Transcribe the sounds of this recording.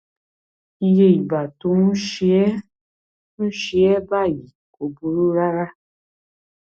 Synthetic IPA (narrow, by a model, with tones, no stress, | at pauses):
i˧je˧i˨ba˨to˧˦nũ˦ʃi˦ɛ˦ | nũ˦ʃi˧˦ɛ˦ba˦˨ji˨ | o˨bu˨ɾu˦ɾa˦ɾa˦